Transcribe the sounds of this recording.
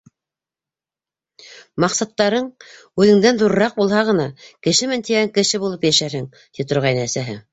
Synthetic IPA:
mɑqsɑt̪ːɑɾɤɴ | ʉðɘ̆ŋd̪ænðuɾɤ̆ɾɑq̚bulˠhɑʁɤ̆nɑkɘ̆ʃɘmɘnt̪iɡæŋkɘ̆ʃɘbulˠɤpjæʃæɾhɘŋ | t̪it̪ŏɾʁɑjnɤæsæɦɘ

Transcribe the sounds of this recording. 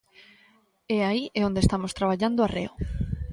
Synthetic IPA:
ɛaiɛond̪est̪amost̪ɾaβaʎand̪oarḛo

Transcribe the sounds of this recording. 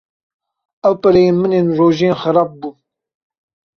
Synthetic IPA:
æwpɐɾɛjeːnmɨneːnroːʒeːnxɐɾɑːp̚buː

